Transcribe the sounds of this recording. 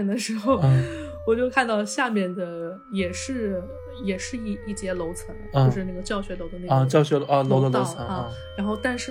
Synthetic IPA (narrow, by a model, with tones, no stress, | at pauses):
nd̪ə˧ʂɻ̩˧˥xo˥˧ʊ˧˩ | wɔ˨˩t͡ɕjo˥˧ʊkʰa˥˧nt̪ɑ˥˧ʊɕja˥˧mjɛ˥˩nd̪ə˩ | jɛ˨˩ʂɻ̩˥˩ | jɛ˨˩ʂɻ̩˥˧i˥˩i˥˩t͡ɕjɛ˥lo˧˥ʊt͡sʰɤ˧˥ŋ˧t͡ɕo˥˧˥ʂɻ̩˧na˥˩ɡə˩t͡ɕjɑ˥˩ʊɕɥɛ˧˥lo˧˥ʊd̪ə˧na˥˩˥t͡ɕjɑ˥˧ʊɕɥɛ˧˥˧lo˧˥ʊd̪ə˧lo˧˥ə˧˦ŋ˧˥ | ɻa˧˥nxo˥˧ʊt̪a˥˧nʂɻ̩˥˧